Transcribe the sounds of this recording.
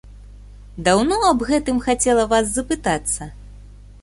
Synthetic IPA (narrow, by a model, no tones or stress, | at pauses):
d̪awnɔɐbɣɛt̪ɨmxat͡sʲɛlˠɐvaszɐpɨt̪at̪sːɐ